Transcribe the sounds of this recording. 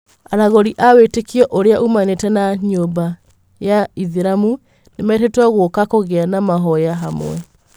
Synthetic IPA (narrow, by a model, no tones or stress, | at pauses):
aɾaɣɔɾiʔawetekiɔʔoɾeaʔumanetɛnaɲomba | jaiðiɾamu | nemaetetwaɣwokakoɣeanamaɦɔjaɦamwɛ